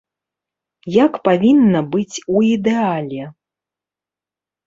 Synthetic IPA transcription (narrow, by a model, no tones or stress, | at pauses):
jakpavʲinːɐbɨt͡sʲuid̪ɛalʲɛ